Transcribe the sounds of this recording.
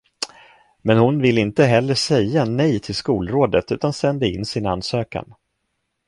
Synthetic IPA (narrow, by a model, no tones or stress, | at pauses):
mɛnhʊnvɪlːɪnt̪əɦɛlːəʂɛjːanɛjt̪ʰɪlskuːlɾoːd̪ət̪ʉ̟ːt̪ansɛnd̪əɪnːsɪnanːsøːka̰n